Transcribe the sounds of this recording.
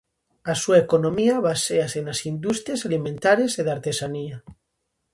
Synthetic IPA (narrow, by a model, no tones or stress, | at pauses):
asuaekonõmiaβaseasenasind̪ust̪ɾjasalimẽnt̪aɾeseðaɾt̪esania